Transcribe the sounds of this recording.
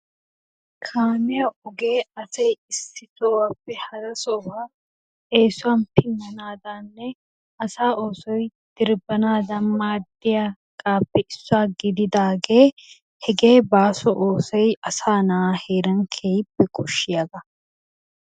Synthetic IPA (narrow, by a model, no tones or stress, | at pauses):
kʰaːnɛjɐʔʊɡeːɐsɛjɪsːɪt̪oːwapːɛhɐɾɐsɔwaː | eːsʊaːnpɪnːɐnaːd̪anːɛ | ɐsaːʔoːsɔj | d̪̥ɪɾbɐnaːd̪ɐmaːd̪ɪja | ɡ̥aːpːɛɪsːʊaːɡɪd̪ɪd̪aːɡe̞ː | hɛɡe̞ːbaːsɔʔoːsɔjɐsaːnaaheːɾɐŋkʰeːjɪbːɛkʼʊʃːɪjɐɡ̪ɐ